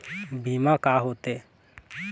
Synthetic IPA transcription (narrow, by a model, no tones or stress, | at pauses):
bʱiːmãkaːɦoːt̪eː